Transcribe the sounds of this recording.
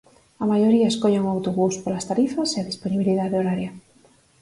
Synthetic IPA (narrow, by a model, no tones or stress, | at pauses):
ɐmajoɾiɐeskoʎeŋoawt̪oɣuspolast̪aɾifɐseaðisponiβiliðaðeoɾaɾjɐ